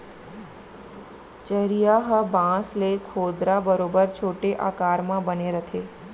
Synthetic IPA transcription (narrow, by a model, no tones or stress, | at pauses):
t͡ʃəɾijaɦəbãslekʰoːd̪ɾabəɾobəɾt͡ʃʰoʈeʔa̰kaɾmãbəneɾət̪ʰe